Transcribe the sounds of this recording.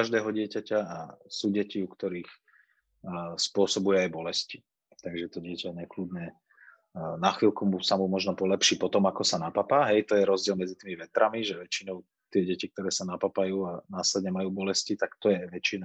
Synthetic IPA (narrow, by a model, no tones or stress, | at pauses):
kaʒd̪ɛːɦɔɟɪɛcacaasuːɟɛciukt̪ɔɾiːx | spʊɔsɔbujɛajbɔlɛsci | t̪aɡʒɛt̪ɔɟɪɛcaɲɛklud̪ɲɛ | naxʋiːlkumusamumɔʒnɔpɔlɛpʃiːpɔt̪ɔmakɔsanapapaːɦɛjt̪ɔjɛɾɔzɟɪɛlmɛd͡zit̪iːmiʋɛt̪ɾamiʒɛʋɛt͡ʃinɔʊ | t̪ɪɛɟɛcik̚t̪ɔɾɛːsanapapajuːanaːslɛd̪ɲɛmajuːbɔlɛscit̪akt̪ɔjɛʋɛt͡ʃina